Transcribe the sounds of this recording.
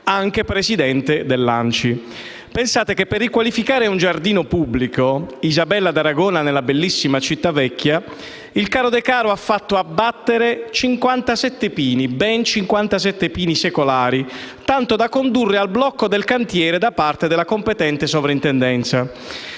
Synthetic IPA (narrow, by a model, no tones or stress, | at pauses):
aŋk̟epɾesid̪ɛnt̪ed̪elːa̰nt͡ʃi | pensaːt̪ekepːerːikwalifikaːɾeund͡ʒard̪iːnopubːlikoizabɛlːad̪aɾaɡɔːnanelabelːisːimat͡ʃit̪ːavɛkːja | ilkaːɾod̪ɛkaːɾoafːat̪ːoabːat̪ːeɾet͡ʃiŋkwant̪asɛt̪ːepiːnibɛnt͡ʃiŋkwant̪as̬ɛt̪ːepiːnisekolaːɾit̪ant̪od̪akːond̪urːealblɔkːod̪elkant̪jɛːɾed̪apart̪ed̪elakompet̪ɛnt̪esovɾaint̪ɛnd̪ɛnt̪sa